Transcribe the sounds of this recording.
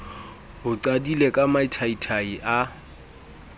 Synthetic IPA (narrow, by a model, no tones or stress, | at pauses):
ʊǀadilekʼamaitʰaitʰaiʔa